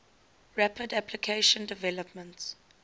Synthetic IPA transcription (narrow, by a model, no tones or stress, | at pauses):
ɹæpədæplikʰeɪʃə̃ndɪvɛləpmə̃nts